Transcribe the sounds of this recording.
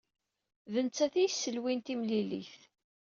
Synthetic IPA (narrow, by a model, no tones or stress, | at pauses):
ðənt͡sːæθijsːəlwint̪imlilḭθ